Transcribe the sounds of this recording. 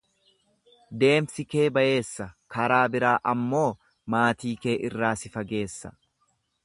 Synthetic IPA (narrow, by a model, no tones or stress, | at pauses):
d̪e̞ːmsɪke̞ːbɐje̞ːsːɐkɐɾaːbɪɾaːʔɐmːo̞ː | maːt̪iːke̞ːʔɪrːaːsɪfɐɡe̞ːsːɐ̥̰